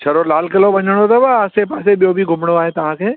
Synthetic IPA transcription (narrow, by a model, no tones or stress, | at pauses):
t͡ʃʰɐɾolaːlkɐlobɐ̃ɲəɽ̃ot̪ɐbaːsepaːseɓijobʱiɡʱʊmɽ̃oaːɦet̪ɐʋ̤ãːkʰeː